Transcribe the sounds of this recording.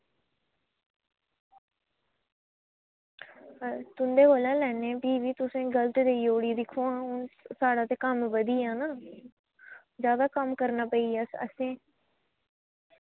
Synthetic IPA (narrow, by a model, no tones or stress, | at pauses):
t̪ʊnd̪eːɦoːlãːlɛːnẽːbiːʋiːt̪ʊsẽːɡəlt̪d̪eːioːɽiːd̪ɪkʰːõːãːʊnsaːɽaːt̪eːkəmʋəd̪iːãːnaː | zjaːd̪aːkəmkəɾnaːpəiːaːsə̰sẽː